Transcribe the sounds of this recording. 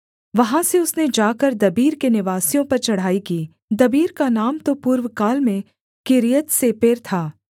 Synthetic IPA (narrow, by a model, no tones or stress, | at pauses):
ʋɐɦãseʊsned͡ʒaːkɐɾd̪ɐbiːɾkenɪʋaːsijõpɐɾt͡ʃɐɽ̤aːikiː | d̪ɐbiːɾkanaːmt̪opuːɾʋkaːlmẽ | kɪɾijət̪sepeːɾt̪ʰaː